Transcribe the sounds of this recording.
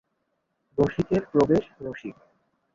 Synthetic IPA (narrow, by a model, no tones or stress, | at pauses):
d̪oʃikeɾpɾobeʃnoʃik